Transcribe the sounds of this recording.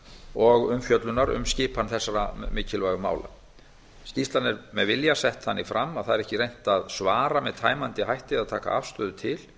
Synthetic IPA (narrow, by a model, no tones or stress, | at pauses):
ɔɣʏmfjœt̪lʏnaɾʏ̰mscɪːpʰanθɛsːaɾamɪːcɪlvaːjɣʏma̰ːwla̰ | scist̪lanɪɾmɛðvɪljasɛht̪θanːɪfɾamːaðθaðɛɾɛhcɪɾejn̥t̪aðsvaːɾamɛðt̪ʰaːjmant̪ɪɦajht̪ɪaðt̪ʰaːka̰a̰fst̪œːðʏt̪ʰɪl̥